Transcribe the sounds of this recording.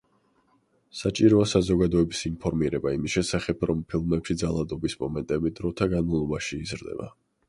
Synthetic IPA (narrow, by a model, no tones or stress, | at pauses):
sat͡ʃʼiɾɔasazɔɡad̪ɔɛbisinpʰɔɾmiɾɛbaimisʃɛsaχɛpʰɾɔmpʰilˠmɛpʃid̪zalˠad̪ɔbismɔmɛnt̪ʼɛbid̪ɾɔt̪ʰaɡanmalˠɔbaʃiːzɾd̪ɛ̰ba̰